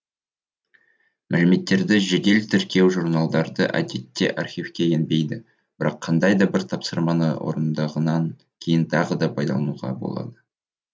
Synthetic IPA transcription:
mʔæ̰lɪme̞t̪ːe̞ɾd̪ɪʒed̪e̞lt̪ʰʏɾkʲie̞wʒurnɑlˠd̪ɑɾd̪əʔæ̰d̪e̞t̪ːe̞̰ʔɑrχʲijvfkʲe̞e̞nbe̞jd̪ɪ | b̥ɪɾɑqʰːɑnd̪ɑjd̪ɑbɪɾt̪ʰɑpsəɾmɑnɑ̰wʔo̞̰ɾənd̪ɑʁənɑŋ | kʲʰe̞jɪnt̪ʰɑʁəd̪ɑpʰɑjd̪ɑ̰lˠɑnuʁɑ̰bo̞̰lˠɑ̰d̪ə

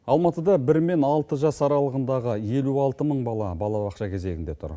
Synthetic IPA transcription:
ɑlˠmɑt̪əd̪ɑbɪɾme̞nɑlˠt̪əʒɑsɑɾɑlˠəʁənd̪ɑʁəje̞luɑlˠt̪əməɴbɑlˠɑbɑlˠɑbɑqʃɑkʲʰe̞ze̞ɡɪnd̪e̞t̪ʰʊ̰ɾ

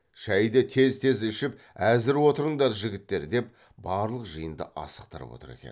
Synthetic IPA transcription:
ʃæjd̪ɪt̪ʰe̞zt̪ʰe̞zʏʃɪp̚ | æzɪɾwo̞t̪əɾəɴd̪ɑɾʒɪɡʲɪt̪ːe̞ɾd̪e̞p̚ | bɑɾlˠəqʒəjənd̪ə̰ʔɑ̰sə̥qt̪əɾə̰pwo̞̰t̪ə̰ɾe̞̰kʲen

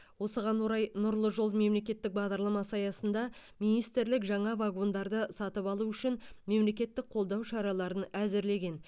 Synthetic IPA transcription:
wo̞səʁɑnwo̞ɾɑjnʊɾlˠəʒo̞lme̞mle̞kʲe̞t̪ːɪk̚bɑʁd̪ɑɾlˠɑmɑsɑjɑsənd̪ɑmijnijst̪ɪɾlɪkʒɑɴɑvaɡo̞nd̪ɑɾd̪əsɑt̪əpɑlˠuʏʃɪnme̞mle̞kʲe̞t̪ːɪk̚qʰo̞lˠd̪ɑwʃɑɾɑlˠɑɾənæzɪɾle̞ɡʲe̞n

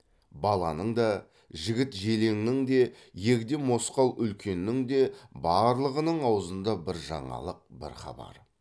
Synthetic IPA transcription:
bɑlˠɑnəɴd̪ɑ | ʒɪɡʲɪt̪ʒe̞le̞ŋnɪŋd̪e̞ | je̞ɡʲd̪emo̞sqɑlˠʏlkʲʰe̞nːɪŋd̪e̞bɑɾlˠəʁənəɴɑwəzənd̪ɑbɪɾʒɑ̰ɴɑ̰lˠəq̚bɪ̰ɾχɑ̰bɑ̰ɾə

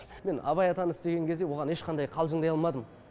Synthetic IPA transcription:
me̞nɑ̰βɑjɑt̪ɑnəɪst̪e̞ɡʲe̞ŋkʰʲe̞zd̪e̞woʁɑne̞ʃqʰɑnd̪ɑjqʰɑlˠʒəɴd̪ɑjɑlˠmɑd̪əm

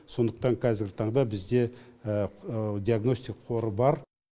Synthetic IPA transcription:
so̞nd̪əqt̪ɑŋqʰɑzɪɾɡʲɪt̪ʰɑɴd̪ɑbɪzd̪e̞ | d̪ʲiaɡno̞st̪ʲikqʰo̞ɾəbɑɾ

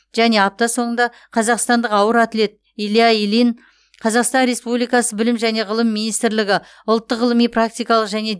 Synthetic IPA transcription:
ʒ̥æne̞ɑp̚t̪ɑso̞ɴənd̪ɑ | qʰɑzɑqst̪ɑnd̪əqɑwəɾat̪ɪle̞t̪̚ | ilˠijailin | qʰɑzɑqst̪ɑnɾe̞spublijkɑsəbɪlɪmʒæne̞ʁəlˠəmːijnijst̪ɪɾlɪɡʲɪ | ʊlˠt̪ːəqʁəlˠəmijprak̚t̪ijkɑlˠəqʒæne̞

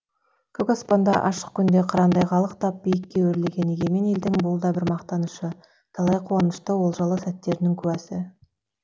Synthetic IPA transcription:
kʲʰʏkɑspɑnd̪ɑʔɑʃə̥q̚kʲʰʏnd̪e̞qʰɑɾɑnd̪ɑjʁɑlˠəqt̪ɑp̚b̥ijɪkʲːe̞wɵɾleɡʲe̞neɡʲe̞me̞ne̞ld̪ɪŋbʊlˠd̪ɑbɪɾmɑqt̪ɑnuʃə | t̪ʰɑlˠɑjqʰonəʃt̪əwo̞lˠʒɑlˠəsæt̪ːe̞ɾnɪŋkʲʰʉwæsɪ

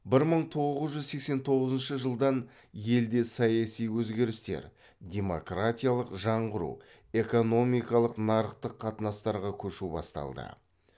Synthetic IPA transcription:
bɪɾməɴt̪ʰo̞ʁəzʒʏzse̞kse̞nt̪ʰo̞ʁəzənʃəʒəlˠd̪ɑn | je̞ld̪e̞sɑjɑsijwɵzɡʲe̞ɾɪst̪e̞̰ɾ | d̪ʲe̞mo̞krat̪ʲijalˠəqʒɑɴʁəɾṵ | e̞ko̞no̞mijkɑlˠəqnɑɾəqt̪əqʰːɑt̪ənɑst̪ɑɾʁɑkʲʰɵʃubɑ̰st̪ɑ̰lˠd̪ə̰

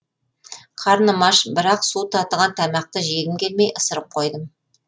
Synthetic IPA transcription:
qʰɑɾnəmɑʃbɪɾɑqsut̪ʰɑt̪əʁɑnt̪ʰæmɑq̚t̪əʒe̞ɡʲɪmkʲe̞lme̞jʔəsəɾəp̚qʰo̞jd̪əm

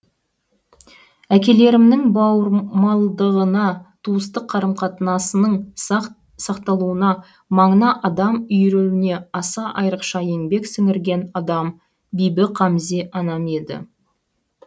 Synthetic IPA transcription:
ækʲe̞le̞ɾɪmnɪŋbɑwəɾmɑlˠd̪əʁənɑt̪ʰuəst̪əqʰːɑɾəmqʰɑt̪ənɑsənəɴ | sɑqt̪ɑlˠuənɑ | mɑɴənɑʔɑd̪ɑmʏjɾewɪne̞ɑsɑʔɑjɾəqʃɑje̞ŋbe̞ksʏŋɪɾɡʲe̞nɑd̪ɑm | bijbɪqʰɑmze̞ʔɑnɑme̞d̪ɪ̰

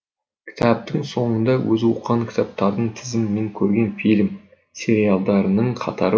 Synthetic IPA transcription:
kʲʰɪ̥t̪ʰɑp̚t̪əɴso̞ɴənd̪ɑwɵzwuqːɑŋkʲʰɪ̥t̪ʰɑp̚t̪ɑɾd̪əɴt̪ʰɪzɪmːe̞ŋkʲʰɵɾɡʲe̞nfijlʲm | sʲe̞ɾijalˠd̪ɑɾənəɴqʰɑ̰t̪ʰɑɾə

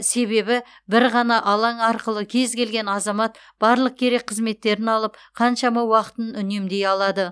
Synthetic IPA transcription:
se̞βe̞bɪ | bɪɾʁɑnɑʔɑlˠɑɴɑɾqəlˠəkʲʰe̞zkʲʰe̞lɡʲe̞nɑzɑmɑt̪ | b̥ɑɾlˠəq̚kʲʰe̞ɾe̞k̚qʰəzme̞t̪ːe̞ɾɪnɑlˠəp̚qʰɑnʃɑmɑwɑqə̥t̪ənʏne̞md̪e̞jɑlˠɑd̪ə

